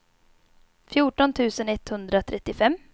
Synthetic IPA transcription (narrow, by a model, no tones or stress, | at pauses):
fjuːʈɔnt̪ʰʉ̟ːsənɛt̪hɵnd̪ɾat̪ʰɾɛt̪ːɪfɛmː